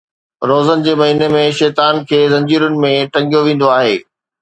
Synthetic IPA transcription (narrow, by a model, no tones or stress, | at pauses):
ɾoːzənɪ̆d͡ʑeːmɐɦiːnemẽʃɛːt̪aːnkʰeːzɐ̃ɲd͡ʑiːɾʊnɪ̆mẽʈɐ̃ŋɡijoʋẽːnd̪oaːɦeː